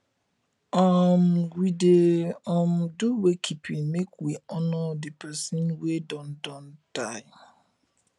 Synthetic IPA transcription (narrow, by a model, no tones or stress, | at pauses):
ɔmɡideɔ̃mduwekʰipʰinmekwiɔnɔdepʰɛsĩnwedɔ̃ndɔ̃ntaɪ